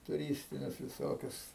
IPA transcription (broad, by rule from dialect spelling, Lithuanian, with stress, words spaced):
tʊˈrʲiːsʲtʲɪnʲʊs ʋʲɪˈsoːkʲʊs